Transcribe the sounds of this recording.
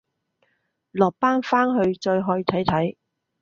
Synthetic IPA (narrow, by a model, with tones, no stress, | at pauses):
lɔː˨˩k̚paː˥nfaː˥nɦɵ˧ɥt͡ʃɔː˧jɦɔː˧jt̪ʰɐ˨˥jt̪ʰɐ˨˥j